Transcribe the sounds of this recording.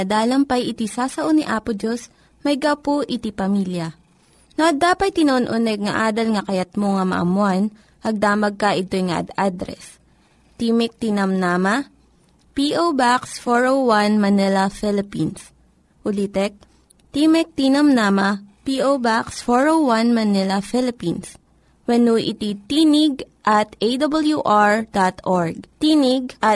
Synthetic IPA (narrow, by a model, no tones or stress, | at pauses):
ɐd̪aːlɐmpɐjʔɪt̪isaːsɐʔoniʔaːpʊd͡ʒos | mɐjɡɐwpoʔɪt̪ipɐmiljɐ | noʔɐd̪aːpɐt̪̚t̪ːɪnoʔonʔonɛɡ̚ŋɐʔaːd̪ɐlŋɐkɐjɐt̪̚moŋɐmɐ̰ʔɐ̰mʊan | ʔɐɡ̚d̪aːmɐɡ̚kɐʔɪt̪o̞jŋɐ̰ʔɐ̰d̪ad̪ɾɛ̰s | t̪imɛk̚t̪inɐmnaːmɐ | piʔobaksfoɹowwanmɐnɛlɐfɛlɪpins | ʔʊlit̪ɛk̚ | t̪imɛk̚t̪inɐmnaːmɐpiʔowbaksfoɹowwanmɐnɛlɐfɪlɪpins | wɛnuʔɪ̰t̪it̪inɪɡʔɐt̪ʔejd̪ɐbɐljuʔaɹd̪at̪oɹɡ̚t̪iːnɪɡ̚ʔɐ